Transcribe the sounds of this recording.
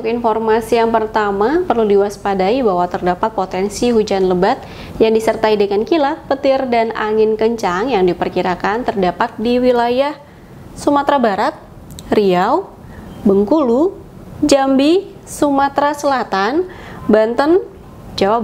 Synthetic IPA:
t̪ʊkinformasijaŋpərt̪amapərludiwaspadaibaɦwat̪ərdapat̪̚pot̪ɛnsihud͡ʒanləbat̪̚ | jaŋdisərt̪aidəŋankilak̚pət̪ɪrdana̰ŋɪnkəɲt͡ʃaŋjaŋdipərkiɾakant̪ərdapat̪̚diwilajah | sumat̪ɾabaɾat̪̚ | riaw | bəŋkulu | d͡ʒambi | sumat̪ɾasəlat̪anbant̪ən | d͡ʒawa

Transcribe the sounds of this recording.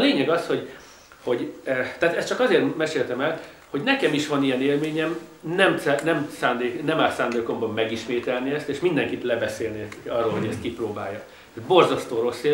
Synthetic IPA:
leːɲɛɡɒsho̞ɟ | ho̞ɟt̪aːt̪ɛst̪t͡ʃɒkɒzeːrmɛʃeːlt̪ɛmɛl | ho̞ɟnɛkɛmiʃʋɒnijɛneːlmeːɲɛmnɛmsnɛmsaːnd̪eːknɛmaːt̪saːnd̪eːko̞mbɒmːɛɡiʃmeːt̪ɛlniɛst̪eːʃmind̪ɛŋkit̪lɛbɛseːlniɒrːoːlɦoɟɛst̪̚kiproːbaːjːɒ | t̪ːbo̞rzɒst̪oːɾo̞sːe

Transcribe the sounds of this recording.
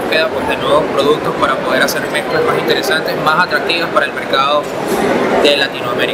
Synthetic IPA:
peðapoɦðenweβo̞spɾo̞ð̞uk̚t̪ospaɾapo̞ð̞e̞ɾase̞ɾme̞t̪ɾazmasint̪e̞ɾe̞sant̪esmasat̪ɾak̚t̪iβaspaɾae̞lme̞ɾkaðo̞ | ðe̞lat̪inoameɾi

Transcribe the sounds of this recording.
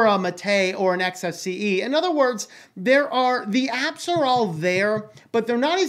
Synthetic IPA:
ʌmɨtʰeɪə˞ɨ̃nɛksɛsiiɪ̃nʌðə˞wɜ˞dz | ðə˞ʔəɹðiæpsə˞ɔlˠðəɹ | b̥ʌt̪̚ðə˞nəɾɨ

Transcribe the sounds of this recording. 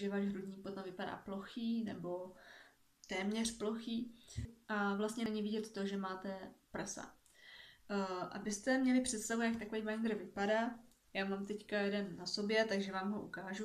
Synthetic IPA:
ʒɛvaːʒɦɾudɲiːpot̪amvɪpada̰ːplo̞xiːnɛbo̞ | t̪ɛːmɲɛr̝plo̞xiːʔavlast̪ɲɛnɛɲɪvɪɟɛt̪t̪oʒɛmaːt̪ɛprsa̰ | ʔa̰bɪst̪ɛmɲɛlɪpr̝̥ɛt̪st̪avujak̚t̪akovɛjvajnd̪ɾr̩vɪpadaː | jaːmaːmt̪ɛckajɛdɛnːaso̞bjɛt̪aɡʒɛvaːmɦo̞ʔukaːʒu

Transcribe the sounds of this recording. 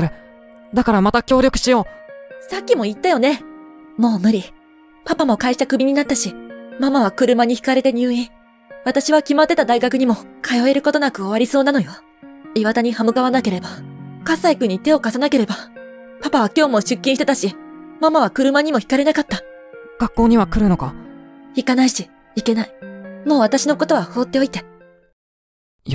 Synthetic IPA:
ɾɯ | d̪akaɾamat̪akʲo̞ːɾʲo̞kɯ̟̥ɕijoːsakʲːimo̞it̪ːajo̞ne̞mo̞ːmɯ̟ɾʲi | papamo̞kaiɕi̥t̪akɯ̟bʲiɲ̟inat̪ːaɕimamaβ̞akɯ̟ɾɯ̟maɲ̟içi̥kaɾe̞t̪e̞ɲ̟ɨːĩ | βat̪aɕiβ̞akʲimat̪ːe̞t̪ad̪aiɡakɯ̟ɲ̟imo̞kʰajo̞e̞ɾɯ̟ko̞t̪o̞nakɯ̟o̞βaɾʲiso̞ːnano̞jo̞ | iβat̪aɲ̟ihamɯ̟ɡaβanake̞ɾe̞bakasːaikɯ̟ɲ̟ːit̪e̞o̞kasanake̞ɾe̞ba | papaβakʲo̞ːmo̞ɕɨkʲːĩit̪e̞t̪aɕimamaβ̞akɯ̟ɾɯ̟maɲ̟imo̞çi̥kaɾe̞nakat̪ːa | ɡ̥akːo̞ːɲ̟iβakɯ̟ɾɯ̟no̞kaçikanaiɕi | ike̞naimo̞ːβat̪aɕino̞ko̞t̪o̞βaho̞ːt̪ːe̞o̞it̪e

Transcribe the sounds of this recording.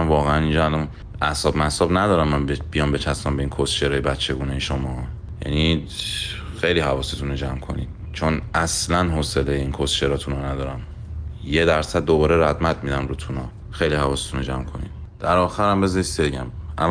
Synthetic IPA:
nvɒːɣeænind͡ʒɒælɒn | ʔæsɒbmæsɒːbnæd̪ɒːɾæmːænbbijɒmbe̞t͡ʃʰæsmæmbe̞inkʰost͡ʃeɾɒːjebæt͡ʃʰːe̞ɡuːne̞jeʃomɒː | jæ̰ni | xe̞jlihævɒːset̪ʰunod͡ʒæmkʰo̞̰nḭd̪̥ | t͡ʃʰonʔæslænɦoselejeiːnkʰost͡ʃeɾɒːt̪ʰunɒnæd̪ɒːɾæm | jed̪æɾsæd̪̚ːobɒːɾeɾæd̪mæt̪̚mid̪æmɾut̪ʰunɒː | xe̞jlihævɒːset̪ʰunod͡ʒæmkʰo̞̰nḭd̥̪ | d̪̥æɾɒːxæɾæmbezɒɾiseɟæ̰mʔæ̰

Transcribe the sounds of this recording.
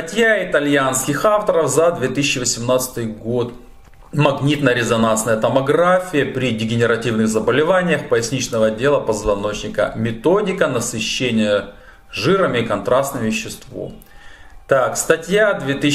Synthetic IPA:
st̪ɐtʲjaɪt̪ɐlʲjanskʲɪxaft̪əɾəfzɐd̪vʲet̪ɨsʲɪt͡ɕːɪvəsʲɪmnat̪sɨ̥t̪ɨjɡo̞t̪ | mɐɡnʲit̪nəjəɾʲɪzɐnansnəjət̪əmɐɡɾafʲɪjəpɾʲɪdʲɪɡʲɪnʲɪɾɐtʲivnɨɣzəbəlʲɪvanʲɪjəxpəɪsʲnʲit͡ɕnəvədʲe̞lˠəpəzvɐno̞t͡ɕnʲɪkə̰mʲɪt̪odʲɪkənəsɨɕːenʲɪjə | ʐɨɾəmʲɪkɐnt̪ɾast̪nɨmvʲɪɕːɪst̪vo̰ | t̪akst̪ɐtʲjad̪vʲet̪ɨ

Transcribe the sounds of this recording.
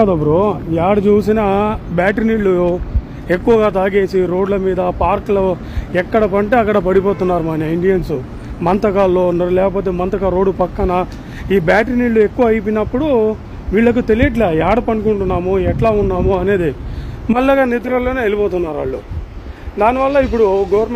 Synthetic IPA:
ɐd̪ɐpːuɾojaːɽɐt͡ʃuːsinɐbaːʈɾniːɭːu | e̞kːuʋɐɡaːt̪̬aːɡe̞ːsiɾo̞ːɖlɐmiːd̪ɐpaːɾklɐ | ɛkːɐɽɐpɐɳʈeːɐkːɐɽɐpɐɽipoːt̪unːaːɾumaːniiɳɖijɐnsu | mɐnt̪ɐkaːlːoːnːɐːɾulɛːkɐp̬oːt̪̬e̞ːmɐnt̪ɐkaɾo̞ːɖːupɐkːɐnɐ | iːbaːʈɾniːɭːue̞kːuʋɐːɐjp̬inɐpːuɽu | ʋiːɭːɐk̬ut̪elijɐʈ̬leːjaːɽɐpɐnkuɳʈunːaːmuɛʈlaːunːaːmuɐne̞ːd̪imɐlːaɡaːnit̪ɾɐlːoːneːelipoːt̪unːaːɾʋa̰ːɭːṵ | d̪aːniʋɐlːɐipːuɽuɡoʋɐɾm

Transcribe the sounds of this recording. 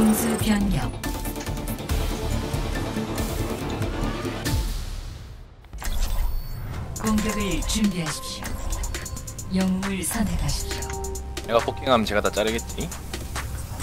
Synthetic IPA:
oŋsʰɯpjʌnjʌŋ | kʌŋɡjeɡɯɭt͡ɕumbiɦaɕʰi̥p̚ɕo | jʌŋmuɭsʰʌnekʰaɕʰi̥p̚ɕ͈o̥ | neɡapokʰeŋɦamt͡ɕe̞ɡat̪at͡ɕ͈aɾɯɡet̚t͡ɕ͈i

